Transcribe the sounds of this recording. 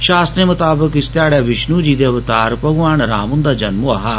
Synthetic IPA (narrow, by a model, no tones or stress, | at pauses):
ʃaːst̪ɾeːmʊt̪aːbəkɪst̪jaːɽjaːʋɪʃnuːd͡ʒiːd̪eːɐʋt̪aːɾpɐɡʋaːɽ̃ɾa̰ːmʊ̃nd̪aːd͡ʒɐnmuaɦaː